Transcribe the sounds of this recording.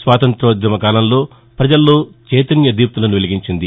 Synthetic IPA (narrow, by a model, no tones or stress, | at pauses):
sʋaːt̪ɐnt̪ɾoːd̪ɾɐmɐkaːlɐnlo̞ː | pɾɐd͡ʒɐlːo̞ːt͡ʃɛːt̪ɐnjɐd̪iːp̚t̪ulɐnuʋiliɡiɲt͡ʃind̪i